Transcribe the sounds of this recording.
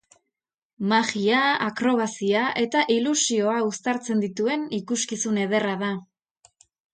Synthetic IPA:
maɣiaakɾo̞β̞asiaʔe̞t̪aʔilusio̞aust̪aɾt͡se̞nd̪it̪ue̞nikuskisune̞ð̞e̞raða

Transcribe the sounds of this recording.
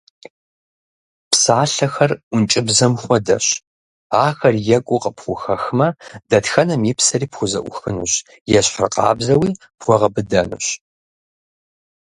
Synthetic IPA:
psaːɬɐxɐrʔʷʊnt͡ʃʼɪbzɐmxʷɔdɐɕ | aːxɐrjɛkʷʼʊqəpχʷʊxɐxmɐdɐtxɐnɐmjipsɐriːpxʷʊzɐ̰ʔʷʊ̰xɨnuɕ | jɛɕħrqɑ̰ːbzɐwiː | pχʷɔʁɐbɨdɐnɨ̰ɕ

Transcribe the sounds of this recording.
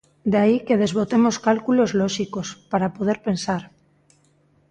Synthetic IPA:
d̪aikeð̞ezβ̞ot̪emoskalkulozloʃikospaɾapoð̞eɾpe̞nsaɾ

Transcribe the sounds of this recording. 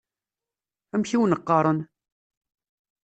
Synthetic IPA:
æmçiwnəqːɑɾˤən

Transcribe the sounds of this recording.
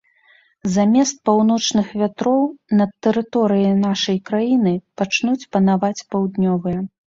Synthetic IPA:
zamʲɛst̪̚pawnɔt͡ʂnɨxvʲat̪ɾɔwnɐt̪ːɛɾɨt̪ɔɾɨjɐnaʂɐjkɾajinɨpat͡ʂnut͡sʲpɐnavat͡sʲpawd̪nʲɔvɨjɐ

